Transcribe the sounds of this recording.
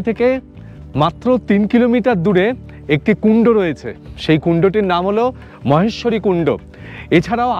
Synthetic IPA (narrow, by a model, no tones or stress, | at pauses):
t̪ʰeke | mat̪ːɾot̪inkilomiʈaɾd̪uɾe | ek̚ʈikuɳɖoɾoet͡ɕʰḛʃejkuɳɖoʈiɾnamɦolo | mɔɦeʃːoɾikuɳɖo̰ | et͡ɕʰaɾaoa